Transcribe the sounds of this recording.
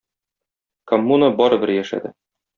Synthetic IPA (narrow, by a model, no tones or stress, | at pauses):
komːunəbɒɾɤ̆bɘɾjæʃæ̰d̪ɘ